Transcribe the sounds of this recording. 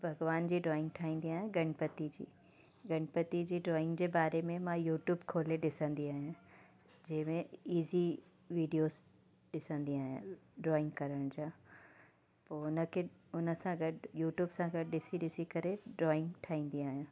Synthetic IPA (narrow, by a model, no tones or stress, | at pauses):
bʱɐɡʋaːnd͡ʑiːɖɾɔːɪ̃ŋɡ̚ʈʰaːĩːnd̪iaːɦjãɡɐɽ̃pət̪id͡ʑḭː | ɡɐɽ̃pət̪id͡ʑiːɖɾɔːɪ̃ŋɡd͡ʑeːbaːɾemẽmãjuːʈjuːbkʰoːleɗɪsə̃nd̪iaːɦijã | d͡ʑɐ̃ɦɪ̃mẽiːzi | ʋiːɖijoːz | ɗɪsə̃nd̪iaːɦijãɖɾɔːɪ̃ŋɡkɐɾəɽ̃d͡ʑãː | poːʊnə̆kʰeʊnə̆sãɡɐɽjuːʈjuːbsãɡɐɽɪsiɗɪsikɐɾeɖɾɔːɪ̃ŋɡʈʰaːĩːn̆d̪iaːɦjãː